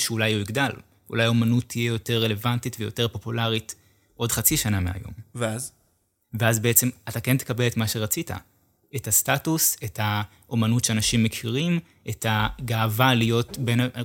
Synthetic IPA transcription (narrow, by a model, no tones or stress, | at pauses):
ʃeulajuiɡdal | ṵlajaomanut̪ʰːijejo̞te̞ʁːele̞vantitvejo̞te̞ʁpo̞pulaʁit | ʔo̞dχat͡siʃanamea̰jo̞̰mveaz | veazbeet͡se̞matake̞ntekabe̞letmaʃe̞ʁat͡sita̰ | etastatusetʰa | ʔo̞manutʃeanaʃimːekʰiʁim | ʔetaɡaːvalijo̞tbena